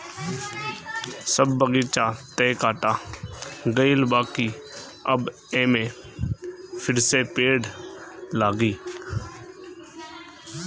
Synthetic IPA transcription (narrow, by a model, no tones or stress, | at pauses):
səbːəɡit͡ʃaːt̪eːkaːʈaː | ɡəɪlbaːkiː | ə̰b | ẽːmẽ | fʰɪɾsepeːɽlaːɡiː